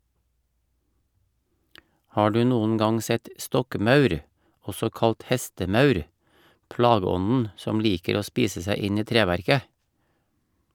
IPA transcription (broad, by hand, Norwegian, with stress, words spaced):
ˈhɑː ˈɖʉː ˈnuːn̩ ˈɡɑŋ ˈsɛt ˈstɔkˌmɑʉɾ ˈɔsɔ ˈkɑlt ˈhɛstəˌmɑʉɾ ˈplɑːɡəˌɔnn̩ ˈsɔm ˈliːkəɾ ˈoː ˈspiːsə ˈsæɪ ˈɪn ˈiː ˈtɾeːʋæɾkə